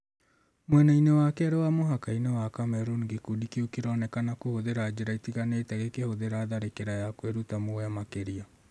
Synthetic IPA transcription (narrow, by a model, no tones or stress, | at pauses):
mwɛnainewakɛɾewamoɦakainewakamɛɾuŋɡekudikiukeɾɔnɛkanakohoðeɾaːd͡ʑeɾaitiɣaneːtɛɣekehoðeɾaːðaɾekeɾajakweɾutamoamakeɾia